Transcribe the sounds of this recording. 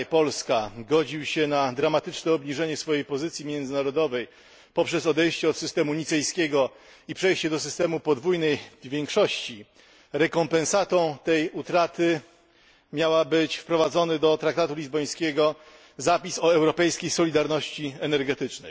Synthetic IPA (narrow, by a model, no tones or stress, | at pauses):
pɔlskaɡɔd͡ʑiwɕɛnad̪ɾamat̪ɘt͡ʂnɛɔbɲiʐɛɲɛsfɔjejpɔzɘt̪sʲjimʲjɛnd̪zɘnaɾɔd̪ɔvɛj | pɔpʂɛs̬ɔd̪ɛjɕt͡ɕɛɔt̪sɘst̪ɛmuɲit̪sɛjskʲeɡɔ | ipʂɛjɕt͡ɕɛd̪ɔs̬ɘst̪ɛmupɔd̪vujnɛjvʲjeŋkʂɔɕt͡ɕi | ɾɛkɔmpɛ̃nsat̪ɔ̃w̃t̪ɛjut̪ɾat̪ɘ | mʲjawabɘt͡ɕfpɾɔvad̪zɔnɘd̪ɔt̪ɾak̚t̪at̪ulʲizbɔj̃skʲeɡɔ | zapʲisɔɛwɾɔpɛjskʲejsɔlʲid̪aɾnɔɕt͡ɕiɛnɛɾɡɛt̪ɘt͡ʂnɛ̰j